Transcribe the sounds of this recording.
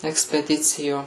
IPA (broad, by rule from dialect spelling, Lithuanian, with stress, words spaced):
ɛksʲpʲɛˈdʲɪt͡sʲɪjoː